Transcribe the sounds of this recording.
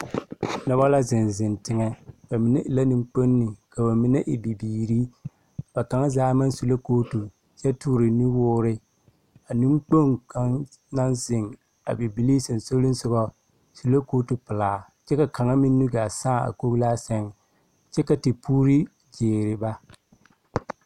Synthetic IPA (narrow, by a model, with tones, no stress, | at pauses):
nɔ˨˦bɔ˦la˦zɪ˨nzɪ˨ntɪ˦ŋɛ˦b̥a˨mi˨˦nɛ˦ʔɪ˨la˦ni˦ŋ͡mk͡po˦nːɪ˨ka˨ba˨mi˦nɛ˦ʔɪ˨bi˨biː˨ɾi˦ | b̥a˨ka˨˦ŋa˦zaː˦ma˦n˦su˨lo˦koː˦tu˨ | jɛ˦tuː˦ɾɪ˨ni˦wʊː˦ɾɪ˦ | a˨ni˦mk͡po˦ŋka˦ŋ | na˦nzɪ˨ŋ | a̰˨bi˨bi˨li˦sɪ˨n˨so˦lɪ˦n˦sʊ˦ɡɔ˦ | su˨lo˦koː˦tu˨pɪ˨laː˨ | t͡ʃɛ˦ka˨ka˨ŋa˦mi˦nːu˦ɡa˨saː˦˨a̰˨ko˦ɡlaː˦sɛ˦ŋ˨ | t͡ʃɛ˦ka˨tɪ˨pʰuː˦ɾi˦ | d͡ʒeː˨ɾɪ˨ba˦